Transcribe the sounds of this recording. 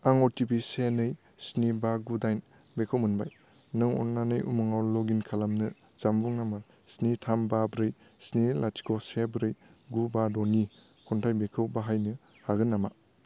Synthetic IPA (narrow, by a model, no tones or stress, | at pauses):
aŋɔɾtibisenɯj | snibaɡudajn | bekʰɯwmɯnbaj | nɯŋɔ̰nanɯjʔṵmɯŋawloɡinkʰalamnɯ | zambuŋnama | snitʰambabɾɯj | snilati̥kosebɾɯjɡubadoni | kʰɔntʰajbekʰɯwbaɦajnɯ | haɡɯnːama